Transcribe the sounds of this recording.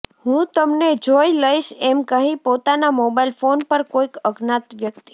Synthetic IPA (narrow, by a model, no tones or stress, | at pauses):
hũt̪əmned͡ʒojiləiʃɛmkəɦĩpot̪anamobailfonpəɾkoikəɡnat̪ʋjəkt̪i̥